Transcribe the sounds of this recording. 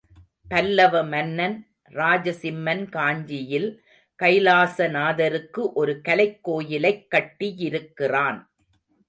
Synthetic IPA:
pɐlːɐʋɐmɐnːɐn | ɾaːd͡ʒɐsɪmːɐnkaːɲd͡ʒɪjɪl | kɐɪlaːsɐnaːðɐɾɯkːɯʔɔɾɯkɐlɐɪkːoːjɪlɐɪkːɐʈːijɪɾɯkːɪraːn

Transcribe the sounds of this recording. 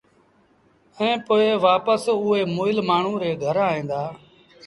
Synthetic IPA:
ɛ̃ːpoːeːʋaːpəsʊeːmoːɪlmaːɳ̤ũːɾeːɡʱəɾaːɦĩːnd̪aː

